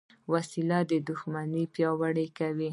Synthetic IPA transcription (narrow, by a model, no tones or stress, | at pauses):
wasilad̪əd̪ʊxmanipjɑwaɽekawi